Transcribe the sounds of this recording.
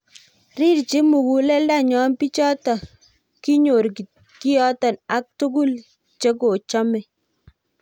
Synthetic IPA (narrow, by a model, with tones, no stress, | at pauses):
ɾi˦ɾt͡ʃi˦mu˨ɡu˨lɛ˦lda˦ɲɔ˦npi˦t͡ʃɔ˦tɔ˨ | ki˦ɲo˨ɾk | ki˦jɔ˦tɔ˨na˦k̚tu˦ku˦l | t͡ʃe˦ko˨t͡ʃɔ˦mɛ˨